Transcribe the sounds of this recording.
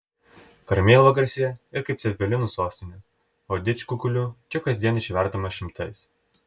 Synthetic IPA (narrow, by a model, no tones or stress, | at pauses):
kɐɾʲmʲeːlˠʋoːɡɐɾʲsʲɪjɛɪɾkɐɪpʲsʲɛpʲɛlʲɪnuːsoːsʲt̪ʲɪnʲʊ | oːd̪ʲɪt͡ʃʲkukʊlʲʊt͡ʃʲɛkɐzʲd̪ʲiɛnɪʃʲʋʲɛɾd̪ɐmɐʃʲɪmt̪ʰɐɪs